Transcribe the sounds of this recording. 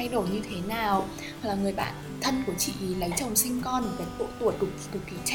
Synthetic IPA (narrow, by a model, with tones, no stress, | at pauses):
a˧jɗo˨˩jɲɨ˧t̪ʰe˨˦naː˨˩w | laː˨˩ŋɨ˨˩əjɓa̰ː˧˨n | t̪ʰə˧nku˧˩ət͡ɕḭ˧˨ʔi˨˦lə˨˦jt͡ɕə˨˩wŋ͡msï˧ŋ̟kɔ˧n˨˩ka˨˦jt̪o̰˧˨t̪u˨˩ət̚ɗ̚ɗu˨˩k̚ki˨˦t͡ɕ